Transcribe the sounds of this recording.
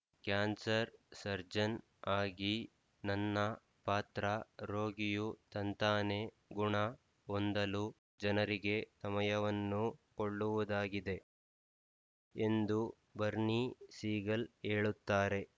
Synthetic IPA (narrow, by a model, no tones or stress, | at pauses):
kaːnsɐɾsɐɾd͡ʒɐn | aːɡi | nɐnːɐ | paːt̪ɾɐɾoːɡijut̪ɐnt̪aːne | ɡuɳɐ | ond̪ɐlu | d͡ʒɐnɐɾiɡe̞sɐmɐjɐʋɐnːukoɭːuʋud̪aːɡid̪e̞ | end̪u | bɐɾnisiːɡɐleːɭut̪ːaːɾe̞